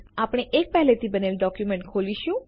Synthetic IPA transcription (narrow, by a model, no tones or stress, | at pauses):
apɽ̃eʔek̚pɛɦlet̪ibənelɖɔkjumẽɳʈkʰoliʃũ